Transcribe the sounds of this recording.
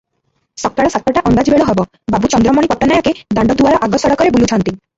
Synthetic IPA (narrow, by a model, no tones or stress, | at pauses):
sɔk̚t̪aɽɔsat̪ɾɔʈaʔɔnd̪ad͡ʒbeɭɔɦɔbɔ | babut͡ʃɔnd̪ɾɔmɔɽipɔʈːɔnajɔked̪aɳɖɔd̪uaɾɔʔaɡɔsɔɽɔkɔɾebulutʰɔnt̪i